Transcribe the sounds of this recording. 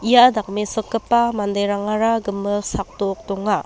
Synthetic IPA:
ijadak̚mesɯkːɯpːamandajɾaŋaɾaɡɯmːɯsak̚tok̚tɔŋa

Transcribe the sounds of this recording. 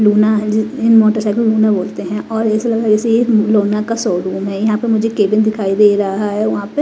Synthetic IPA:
luːnaɦɪɪnmɔːʈəɾsɛːɪkoluːnaboːlt̪eɦɛ̃ʔɔːɾɪslɐɡad͡ʒɛseeloːnakasɔːɾuːmɦɛjɐɦãpɐmʊd͡ʒʱekeːbɪ̃nd̪ɪkʰaːid̪eːɾɐɦaɦaɦɛʋɐɦãpe

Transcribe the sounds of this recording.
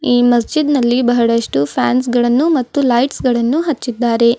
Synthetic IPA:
iːmɐs̬d͡ʒid̪nɐlːibɐɦɐɽɐʂʈupʰa̰ːns̬ɡɐɭɐnːumɐt̪ːulɐjʈsɡɐɭɐnːuɦɐt͡ʃːid̪ːaːɾe̞

